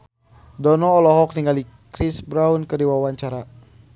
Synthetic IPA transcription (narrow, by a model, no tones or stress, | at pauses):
dɔnɔːlɔɦɔk̚niŋɡali | kɾisbɾaunkədiwawaɲt͡ʃaɾa